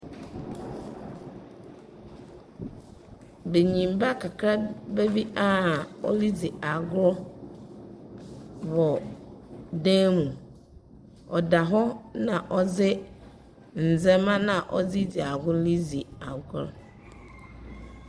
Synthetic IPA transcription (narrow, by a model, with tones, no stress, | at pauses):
be˨ɲĩ˨m˨ba˦kʰa˨kʰɾa˦be˦vi˦ʔa˦ɔ̰˦li˦d͡zi˨a˨ɡʊ˦ | wɔ˨ | dã˦mũ˨ | ɔ˨da˨ɦɔ˦nã˨ʔɔ˦d͡zɪ˦ | n̩˨zɛ̃˦mã˦nã˨ʔɔ˦d͡zi˦d͡zi˨a˨ɡʊ˦li˦d͡zi˨a˨ɡʊ˦